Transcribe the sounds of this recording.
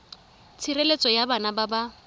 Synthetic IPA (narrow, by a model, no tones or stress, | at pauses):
t͡sʰirelet͡sʼɔjabanababa